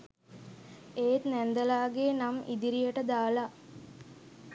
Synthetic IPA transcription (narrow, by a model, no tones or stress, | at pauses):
eːt̪nænd̪əlaːɡeːnamid̪iɾijəʈəd̪aːla